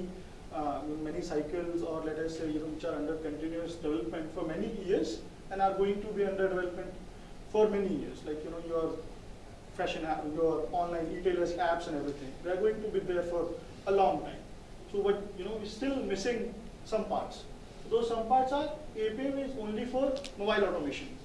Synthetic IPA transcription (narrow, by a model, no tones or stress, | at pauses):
junomɛnisaɪkəlzɔːɾlɛʈɐsːeːjunõːʋɪt͡ʃaːɾʌ̃ɳɖəɾkə̃ɳʈɪ̃njuəsɖɪʋɛləpmɛ̃ɳʈfɔɾmɛniiəɾz | ɛ̃naɪɾɡoːɪ̃ŋʈubiːʌ̃ɳɖəɾɖɪʋɛləpmɛ̃ɳʈ | fɔɾmɛnijiəɾzlaɪkjunoːjuəɾ | fɾɛʃə̃næjɔɾɔ̃ːnlãɪ̃nɖiːʈeːləsæpsɛ̃nɖɛʋɾit̪ʰɪ̃ŋd̪eaɾɡoːɪ̃ŋʈubiːd̪eɾfɔɾ | əlɔ̃ːŋʈã̰ɪ̃m | sobʌʈ̚junoːʋisʈɪlmɪsɪ̃ŋ | sʌ̃mpa̰ːɾʈs | od̪oːzsʌ̃mpaːɾʈsaːɾeːpiɛ̃mɪzõːnlifɔːɾmobaɪlɔʈomeːʃə̃n